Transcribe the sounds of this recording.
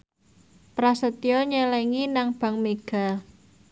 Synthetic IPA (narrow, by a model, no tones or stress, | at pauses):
pɾasət̪jɔɲəlɛŋinaŋb̥ä̤ŋmeɡ̥a̤